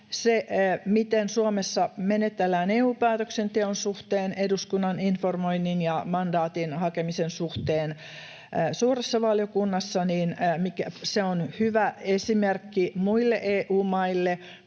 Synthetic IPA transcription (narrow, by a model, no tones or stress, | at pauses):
seʔmit̪ensuomesːɑmenet̪ːelːæːneːuːpæːt̪øksent̪eonsuht̪eːneduskunːɑninformoinːinjɑmɑndɑːt̪inhɑkemisensuht̪eːnː | suːresːɑʋɑljokunːɑsːɑniːnmikæseonhyʋæesimerkːimuilːeʔeːʔuːmɑilːe